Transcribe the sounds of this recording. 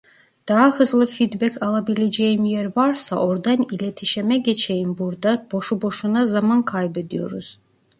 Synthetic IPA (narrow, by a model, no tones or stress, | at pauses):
d̪̥aɦahɯzlˠɯfid̪bɛkʰalˠabilʲed͡ʒejimijeɾvaɾsa̰ʔo̞ɾd̪anilʲet̪ʰiʃemɛɟet͡ʃʰejimbuɾd̪ab̥o̞ʃubo̞ʃunazamankʰajbed̪ijo̞ɾuz̥